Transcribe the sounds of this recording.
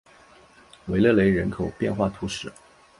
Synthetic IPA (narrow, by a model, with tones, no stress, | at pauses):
we˧˥ɪlɤ˥˩le˧˥ɪɻə˧˥nkʰo˨˩ʊpjɛ˥˧nxwa˥˩t̪ʰu˧˥ʂɻ̩˨˩˦